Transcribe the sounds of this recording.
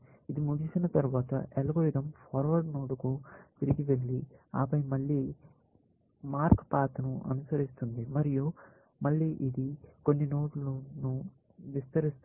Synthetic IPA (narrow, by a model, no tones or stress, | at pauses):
id̪imuɡisinɐt̪ɐɾuʋaːt̪ɐ̰ʔelɐɡoɾiɾɐmpʰaːɾʋɐɾɖnoːɽukut̪iɾiɡiʋe̞ɭːiaːpɐjmɐɭːiː | maːɾkpaːt̪ɐnuʔɐ̰nusɐɾist̪und̪imɐɾiju | mɐɭːiːʔid̪ikonːinoːɽlunu | ʋist̪ɐɾist̪